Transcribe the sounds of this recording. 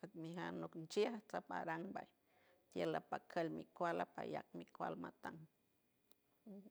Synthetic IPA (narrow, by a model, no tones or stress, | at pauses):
at̪miɦanuknt͡ʃiaht͡sapa̰ɾaŋbaj | t̪jelapakʰəlmikʷalapaja̰k̚mikwa̰lmat̪aŋ